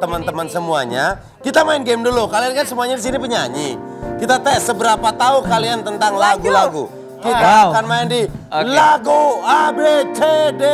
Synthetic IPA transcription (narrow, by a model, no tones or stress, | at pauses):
t̪əmənt̪əmənsəmuaɲa | kit̪amaɪnɡemdulukaliankansəmuaɲadis̬inipəɲaɲi | kit̪at̪ɛsəbəɾapat̪aukaliant̪ənt̪aŋlaɡulaɡu | kit̪aːkanmaɪndilaɡuabet͡ʃede